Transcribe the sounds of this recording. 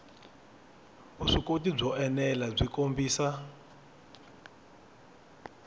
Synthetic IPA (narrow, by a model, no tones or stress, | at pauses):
uʂikotib͡ʐɔʔɛnɛlab͡ʐʷikombiːsa